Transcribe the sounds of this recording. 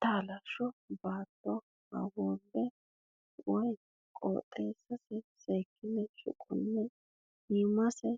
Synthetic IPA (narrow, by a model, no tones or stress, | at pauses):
t̪aːlɐʃɔbaːt̪ːɔ | hɐ̰woːbːɛ | wɔj | kʼo̰ːt̪ʼːeːsːɐsɛseːkʰːɪnɛʃʊ̰kʼʊnːɛ | himɐsɛ